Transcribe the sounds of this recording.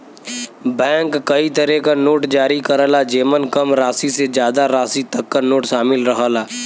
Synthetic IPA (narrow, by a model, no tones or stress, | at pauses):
bɛ̃ːŋkːɐit̪əɾɛkanoːʈd͡ʒaːɾikɐɾəːlad͡ʒeːmənkɐmɾaːsised͡ʒjaːd̪aɾaːsit̪ɐkːanoːʈʃaːmɪlɾɐɦaːlaː